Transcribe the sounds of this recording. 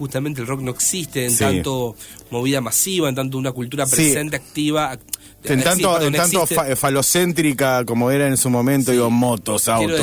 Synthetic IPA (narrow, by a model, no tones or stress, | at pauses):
xust̪amẽnt̪elrokno̞eksist̪eːnt̪at̪o | mo̞βiðamasiβaent̪ant̪ounakult̪uɾap̬ɾesent̪̬eak̚t̪iβa | ent̪anoenant̪ofalosent̪̬ɾikako̞moeɾaensumõ̞mẽnt̪oiɣomot̪osawɾo